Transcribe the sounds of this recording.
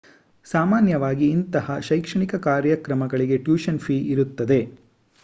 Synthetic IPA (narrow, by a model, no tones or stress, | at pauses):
saːmaːnjɐʋaːɡiːnt̪ɐhɐʃɐjkʂɐɳikɐkaːɾjɐkɾɐmɐɡɐɭiɡe̞ʈjuːʃɐnpʰiːʔiɾut̪ːɐd̪e̞